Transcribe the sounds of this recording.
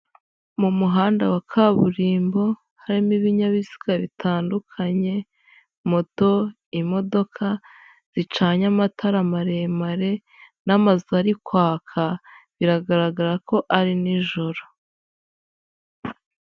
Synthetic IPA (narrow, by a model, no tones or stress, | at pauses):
mumuɦaːndawakʰaβuɾiːmbo̞ | haɾimiβiɲaβizi̥kaβitʰaːndukʰaɲe̞ | mo̞to̞ | imo̞do̞kʰa | z̥it͡ʃaːɲamatʰaɾamaɾe̞ːmaɾe̞ | namazaɾikwaːkʰaβiɾaɡaɾaɡaɾako̞ʔaɾiniʒo̞ɾo